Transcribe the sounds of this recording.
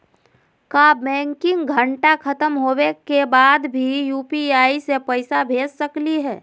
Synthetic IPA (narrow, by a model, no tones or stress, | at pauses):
kaːbɛ̃ːŋkɪ̃ŋɡɡʱə̃ɳʈakʰɐt̪əmɦoːwekebaːd̪bʱijuːpiaːisepɛɪsabʱeːd͡ʒsɐkliɦɛː